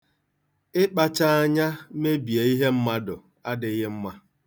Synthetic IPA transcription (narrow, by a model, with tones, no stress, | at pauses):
ɪ˦k͡pa˦t͡ʃa˦a˦ɲa˦me˦bi˨e˨i˦ɦe˦m̩˦ma˦dʊ˨ | a˦dɪ˨˦ɣɪ˦m̩˦ma˦